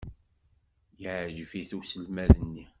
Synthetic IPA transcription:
jəʕʒfiθuwsəlmæðənːi

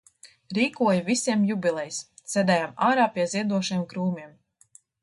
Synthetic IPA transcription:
ɾiːkuɔjvisʲiɛmjubʲilˠɛjssʲɛd̪ɛjamaːɾaːpʲiɛziɛd̪uɔʃajɛmkɾuːmiɛm

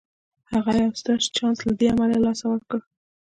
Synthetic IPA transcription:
haɣajawst̪ɑʃt͡ʃɑnslad̪eamalalɑsawəɾkə

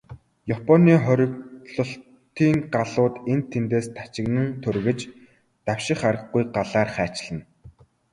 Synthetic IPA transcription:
japʰɔniːχɔɾʲɪ̆kɮɞ̆ɬ | t̪iːŋɢaɮʊːt̪ent̪ʰːent̪eːst̪ʰḁt͡ɕɪ̆ɣnɘ̆nt̪ʰɵrɣɘ̆t͡ɕ | t̪awʃɪ̆χaɾə̆χɡujɢaɮaːrχæːt͡ɕɪ̆ɮə̆n

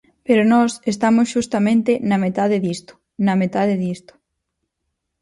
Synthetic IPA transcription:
peɾonɔsest̪amʊsʃust̪ɐmẽnt̪enɐmet̪að̞eðist̪ʊ̥ | nɐmet̪aðeðist̪ʊ̥

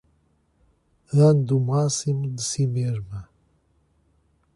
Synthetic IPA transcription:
and̪umaːsimd̪simeʐma

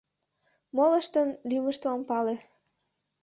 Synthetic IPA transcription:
moləʃt̪ənlyməʃt̪oompɑle

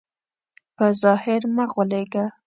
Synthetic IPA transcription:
pəzɑhɪɾmaɣwəleɡa

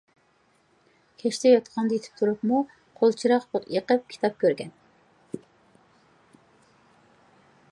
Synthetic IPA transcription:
kʲʰɛʃt̪ʰɛjɑt̪qʰɑnd̪ɑjet̪ʰɪ̥p̚t̪ʰuɾupmu | qʰolˠt͡ʃʰiɾɑqbot̪jəqəp̚kʲʰi̥t̪ʰɑp̚kʲʰøɾɡʲɛn

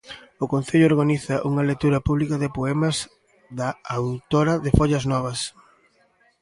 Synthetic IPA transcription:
ʊkon̟θeʎʊoɾɣaniθɐʔuŋɐlet̪uɾɐpuβlikɐðɪpoɛmɐz | ðɐawt̪oɾɐðɪfoʎɐznɔβ̞ɐs

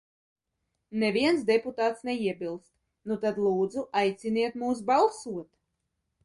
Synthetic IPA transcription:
nevʲiɛnsd̪ɛput̪aːt̪snɛiɛbilˠst̪ | nut̪ad̪lˠuːd̪zuʔajt̪sʲiniɛt̪muːs̬balˠsuɔt̪

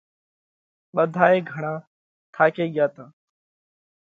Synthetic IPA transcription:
ɓəd̪ʱaːeːɡʱəɳãː | t̪ʰaːkeːɠɪjaːt̪ãː

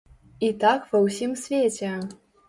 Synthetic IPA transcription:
it̪akvɐwsʲimsʲvʲet͡sʲɛ

